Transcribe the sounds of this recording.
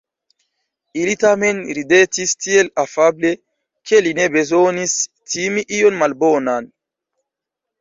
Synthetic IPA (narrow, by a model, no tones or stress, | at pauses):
ilitame̞nɾidetistielafable̞ | kʰe̞line̞be̞zonis | tʰimiʔio̞nmalbonan